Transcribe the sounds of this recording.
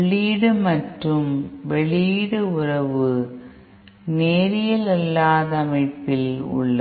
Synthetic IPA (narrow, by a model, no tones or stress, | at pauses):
ɭiːɽɯmɐʈrɯmʋɛɭiːɽɯʊrɐʋɯ | neːɾɪjɐlɐlːaːðɐːmɐɪpːɪlʊ̰ɭːɐ